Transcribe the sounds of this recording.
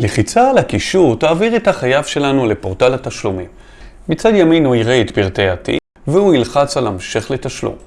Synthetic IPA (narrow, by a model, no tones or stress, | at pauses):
leχit͡saːlakiʃuʁt̪aːviʁet̪haχajavʃe̞lanule̞po̞ʁt̪alhat̪aʃlumimː | it͡sad̪jaminuiʁeːt̪biʁteatḭ | veuilχat͡salamʃe̞χle̞t̪aʃlṵm